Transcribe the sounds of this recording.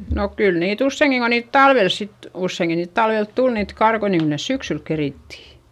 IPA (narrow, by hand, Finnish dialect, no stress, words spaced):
no kyl niːt usːeiŋki ko niːt tɑlʋel sit usːeiŋki niːt tɑlʋelt tul niːt kɑrkoi niŋ kyl nes syksyl keriˑtːi